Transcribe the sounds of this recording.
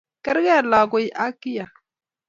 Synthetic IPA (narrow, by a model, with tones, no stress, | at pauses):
kɛ˦ɾɣɛ˦˨la˨ko˦jʔa˦ki˦ja˨